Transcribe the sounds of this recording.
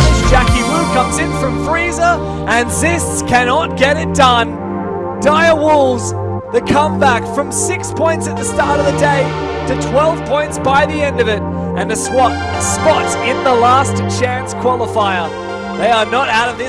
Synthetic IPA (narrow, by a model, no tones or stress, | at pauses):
ɪsd̥ʒ̥ækiɹʉkʰʌ̃mzɨ̃nfɹʌ̃ɱfɹizə˞ | ʔɨ̃nzɪs | kʰænɑt̚ɡ̥ɛɾɨt̚d̥ʌ̃n | d̥aɪəwʊlˠz | ðɨt̚kʰʌ̃mbækfɹʌ̃msɪkspʰɔ̃ɪ̃ntsɨt̪̚ðɨstɑɹɾʌvðɨdeɪ | ɾɨtʰw̥ɛlˠv̥pʰɔ̃ɪ̃ntsb̥aɪðiɛ̃ndʌvɪɾ | ʔɨ̃nðɨswɑt | spɑtsɪ̃nðəlæstt͡ʃʰæ̃nskʰw̥ɑlˠəfaɪə˞ | ðeɪə˞nəɾaʊɾʌvðɪ